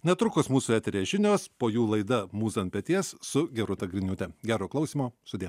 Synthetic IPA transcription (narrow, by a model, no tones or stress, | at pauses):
nʲɛt̪ɾʊkosmuːsuæːt̪ʲɛɾʲiːʒʲɪnʲoːspoːjuːlˠɐɪd̪ɐmuːsɐnpʲɛt̪ʲiɛssʊɡʲɛɾʊt̪ɐɡɾʲɪnʲuːt̪ʲɛɡʲæːɾoːklˠɐʊsʲiːmoːsʊd̪ʲiː